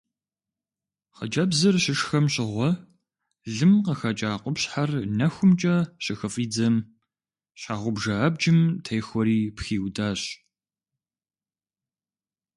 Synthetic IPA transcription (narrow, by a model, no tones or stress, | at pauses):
qɐ̰d͡ʒʼɐbzɨrɕɪʂxɐmɕɪʁʷɔ | ɮɨmqəxɐt͡ʃʼaːqʷɔpɕħarnɐxʷʊmt͡ʃʼɐɕɪxɐfʼiːd͡zɐm | ɕaʁʷʊbʒɐab̚d͡ʒɪmtʰɐjxʷɔɾiːpxiːwdaːɕ